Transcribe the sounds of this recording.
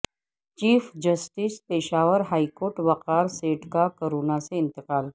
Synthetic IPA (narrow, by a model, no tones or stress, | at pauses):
t͡ʃiːfd͡ʒɐsʈispeːʃaːʋəɾɦaːikoːɾʈʋɐqaːɾseːʈkakoɾuːnaseɪ̃nt̪ɪqaːl